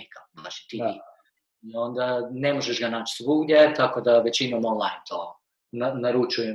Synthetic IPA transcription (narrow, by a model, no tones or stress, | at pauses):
ikaa̰t͡ʃi̥t̪i | io̞nd̪ane̞mo̞ʒeʃɡanaːt͡ʃi̥svuɡlʲe̞t̪akod̪aʋet͡ɕimamonlˠajnt̪ʰo | nanaɾut͡ʃuje